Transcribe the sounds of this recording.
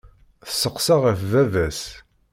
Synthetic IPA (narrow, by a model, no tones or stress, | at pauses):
θə̥sːəqsaʁəfvævæs